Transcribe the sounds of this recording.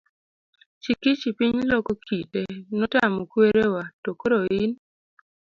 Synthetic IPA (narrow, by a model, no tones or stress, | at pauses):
t͡ʃikit͡ʃipiɲlokokʰitenɔtamɔkweɾewatokoɾoin